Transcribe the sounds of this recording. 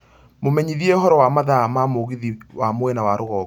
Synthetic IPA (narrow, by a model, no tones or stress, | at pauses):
momɛɲiðiɛoɦɔɾɔwamaðamamoɣiðiwamwɛnawaɾoɣɔ